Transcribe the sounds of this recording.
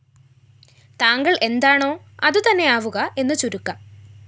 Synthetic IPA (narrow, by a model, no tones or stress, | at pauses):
t̪aːŋɡɐɭʔe̞nd̪aːɳo̞ː | ɐðut̪ɐnːe̞aːʋuɣɐʔe̞nːɨt͡ɕuɾukːɐ